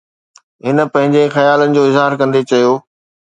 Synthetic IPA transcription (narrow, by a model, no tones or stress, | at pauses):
ɦɪnə̆pɐ̃ɦɪ̃ɲd͡ʑexɐjaːlənɪ̆d͡ʑoːɪzɦaːɾkɐ̃nd̪et͡ɕɐjoː